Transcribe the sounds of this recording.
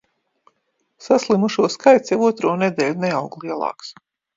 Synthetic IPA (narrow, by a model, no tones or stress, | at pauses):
saslˠimuʃuɔskajt̪sjɛvuɔt̪ɾuɔnɛd̪ɛːlʲnɛawɡlˠiɛlˠɑ̰ːks